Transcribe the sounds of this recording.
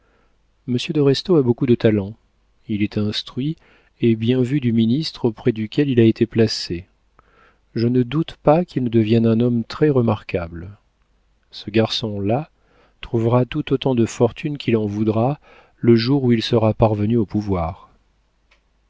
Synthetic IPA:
məsjəd̪ɔʁɛst̪oabokud̪ət̪alɑ̃ | ilɛt̪ɛ̃st̪χɥi | ebjɛ̃vyd̪yminist̪χopχɛd̪ykʲɛlilaet̪eplase | ʒənəd̪ut̪pakʲʰilnəd̪əvjɛnɛ̃nɔmt̪χɛʁəmaʁkabl | səɡaʁsɔ̃la | t̪χuvʁat̪ut̪ot̪ɑ̃d̪əfɔʁt̪ʰynkʰʲilɑ̃vud̪ʁa | ləʒuʁuilsəʁapaʁvənyopuvwaːʁ

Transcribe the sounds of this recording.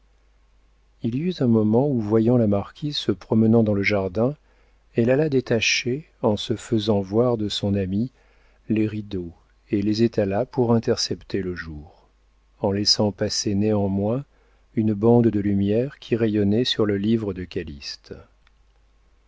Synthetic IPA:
ilyt̪ɛ̃mɔmɑ̃uvwajɑ̃lamaʁkʲʰizsəpχɔmənɑ̃d̪ɑ̃ləʒaʁd̪ɛ̃ | ɛlalad̪et̪aʃe | ɑ̃səfəzɑ̃vwaʁd̪əsɔ̃nami | leʁid̪o | elezet̪ʰalapuʁɛ̃t̪ɛʁsɛpt̪ʰeləʒuːʁ | ɑ̃lɛsɑ̃paseneɑ̃mwɛ̃ | ynbɑ̃d̪d̪əlymjɛʁkʲʰiʁejɔnɛsyʁləlivʁəd̪əkʲalist̪

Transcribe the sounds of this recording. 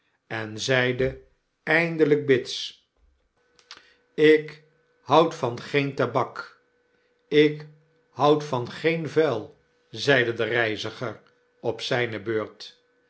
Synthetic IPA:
ɛnzɛjdə | ɛjndələɡ̚bɪts | ɪk | hʌwtfɑnχejntabɑk | ɪk | hʌwtfɑnχejnvɛlˠ | zɛjdədərɛjzəχəɹ | ɔpsɛjnəbøːɹt

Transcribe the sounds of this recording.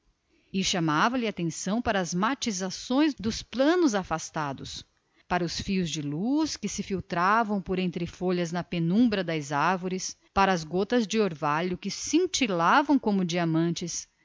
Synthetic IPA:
ɪʃamavɐlɪat̪ẽsɐ̃w̃paɾɐːzmat͡ʃizasõj̃zd̪ʊsplɐ̃nʊzafast̪ad̪ʊs | paɾɐʊsfiʊzd͡ʒɪluskɪsɪfiwt̪ɾavɐ̃w̃poɾẽnt̪ɾɪfoʎɐznɐpenũbɾɐd̪ɐzaɾvoɾɪs | paɾɐːzɡot̪ɐzd͡ʒɪoɾvaʎʊkɪsĩnt͡ʃilavɐ̃w̃kõmʊd͡ʒiamɐ̃nt͡ʃɪs

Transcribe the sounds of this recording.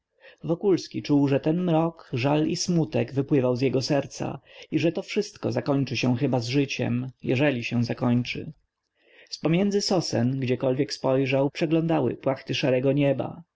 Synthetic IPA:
vɔkulskʲit͡ʂuwʐɛt̪ɛnmɾɔkʐalismut̪ɛɡvɘpwɘvawzjɛɡɔsɛɾt̪sa̰iʐɛt̪ɔfʂɘst̪kɔ̰zakɔɲt͡ʂɘɕɛ̃xɘbazʐɘt͡ɕɛ̰mjɛ̰ʐɛlʲiɕɛw̃zakɔɲt͡ʂɘ̰ | spɔmʲjɛnd̪zɘsɔsɛ̰nɡd͡ʑɛkɔlvʲjɛkspɔjʐawpʂɛɡlɔnd̪awɘ̰pwaxt̪ɘʂaɾɛɡɔɲɛba̰

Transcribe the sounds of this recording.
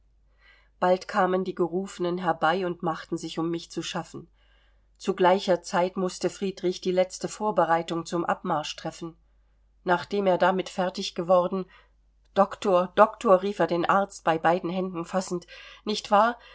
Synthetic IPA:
b̥altkʰaːməndiːɡəʁuːfənənɦɛɐbaɪʊntmaχtn̩zɪçʊmːɪçt͡suʃafn̩ | t͡suɡlaɪçɐt͡saɪtmʊstəfʁ̥iːdʁɪçd̥iːlɛt͡stəfoːɐbəʁaɪtʊŋt͡sʊmʔa̰pmaɐʃtʁ̥ɛfn̩ | naːχd̥eːmeːɐdamɪtfɛɐtɪçɡ̥əvɔʁdn̩ | d̥ɔktʰoːɐd̥ɔktʰoːɐʁiːfeːɐdeːnʔaɐt͡st̚b̥aɪbaɪdn̩ɦɛndn̩fasn̩tnɪçtv̥aːɐ

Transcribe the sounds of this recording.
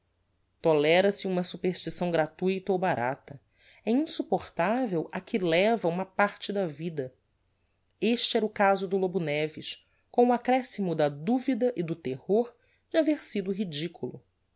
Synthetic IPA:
t̪olɛɾɐsɪũmɐsupeɾʃt͡ʃisɐ̃w̃ɡɾat̪ujt̪ɐowbaɾa̰t̪ɐ | ɛĩsupoχt̪avewɐkʰɪlɛvɐũmɐpaɾt͡ʃɪd̪ɐvid̪ɐ | eʃt͡ʃɪɛɾʊkazʊd̪ʊlobunɛviʃ | kõʊakɾɛsimʊd̪ɐd̪uvid̪ɐʔɪd̪ʊt̪ehoɾ | d͡ʒɪaveɾsid̪ʊɦid͡ʒikulʊ̰

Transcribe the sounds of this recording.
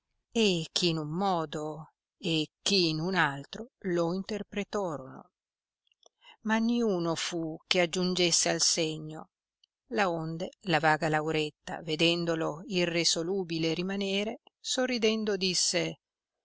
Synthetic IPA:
ekʰːiːnumːɔːd̪o | ekːiːnunalt̪ɾoloint̪erpɾet̪ɔːɾono̰ | maniuːnofukead͡ʒːund͡ʒesːealseɲːo | laond̪elavaːɡalawɾet̪ːa̰ved̪ɛnd̪oloirːesoluːbileɾimaneːɾesorːid̪ɛnd̪od̪isːe

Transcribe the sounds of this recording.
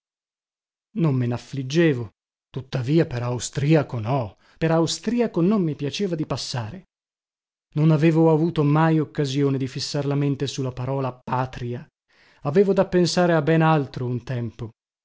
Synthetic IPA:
nomːenaflid͡ʒːeːvo | t̪ut̪ːaviːapeɾawst̪ɾiːakonɔ | peɾawst̪ɾiːakonomːipjat͡ʃeːvad̪ipasːaːɾe | nonaveːvoavuːt̪omajokːazjoːned̪ifisːarlament̪esulːapaɾɔːlapːaːt̪ɾia | aveːvod̪apːensaːɾeabːɛːnalt̪ɾount̪ɛmpo

